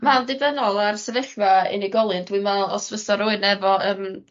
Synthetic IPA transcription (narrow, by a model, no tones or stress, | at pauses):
mandɨvənɔlˠarsɛvɛɬmaɪ̰niɡɔlˠɨndwimɛlˠɔ̰svəsɔɾʊɨnɛvɔəːm